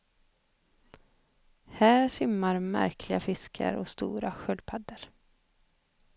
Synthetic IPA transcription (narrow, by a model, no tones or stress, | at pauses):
hæːɾsʏmːaɾmæ̰ɾkʰlɪɡafɪskʰə̰ɾɔst̪ṵːɾaɧœlpʰad̪ːəɾ